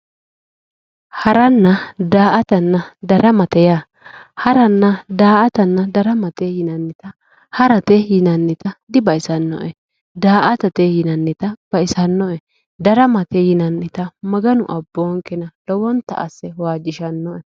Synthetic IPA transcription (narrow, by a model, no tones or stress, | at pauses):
hɐɾɐnːɐd̪aːʔɐt̪ɐnːɐd̪ɐɾɐmɐt̪ɛja | hɐɾɐnːɐd̪aːʔɐt̪ɐnːɐd̪ɐɾɐmɐt̪eːjɪnɐnːɪt̪ɐ | hɐɾɐt̪ejɪnɐnːɪt̪ɐd̪ɪbɐɪsɐnːɔ̰ʔɛ | d̪aːʔɐt̪ɐt̪ejɪnɐnːɪt̪ɐb̥ɐɪsɐnːɔɛ | d̪ɐɾɐmɐt̪ejɪnɐnːɪt̪ɐmɐɡɐnʊ̰ʔɐbːoːŋkɛnɐlɔwɔnt̪ɐ̰ʔɐsːɛwaːd͡ʒɪʃɐnːɔʔɛ